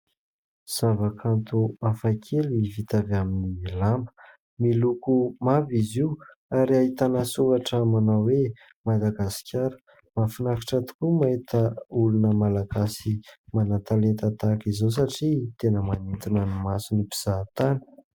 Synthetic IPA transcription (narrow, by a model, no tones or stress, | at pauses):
z̥avakant̪uafakʲʰelivit̪avaminilambə̥ | milukumaviziw | aɾiaɦit̪anəsuvaʈ͡ʂəmanawe | mad̪aɡasi̥kʲaɾə̥ | mafinaki̥ʈ͡ʂat̪u̥kumait̪əulunəmalaɡasimanat̪alet̪at̪akizos̬aʈ͡ʂit̪enəmanint̪inənimasinibiz̥at̪ani̥